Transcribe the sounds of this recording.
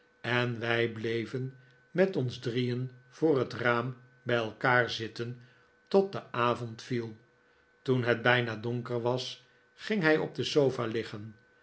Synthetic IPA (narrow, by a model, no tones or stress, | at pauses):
ɛnʋɛjblejvən | mɛtɔnzdrijənv̥ʊːrɦətraːm | bɛjɛlˠkaːɹzɪtən | tɔt̚dəaːvɔntfilˠ | tunɦɛd̚bɛjnadɔŋkəɹʋɑs | χɪŋɦɛjɔ̰b̚dəsowfaːlɪχən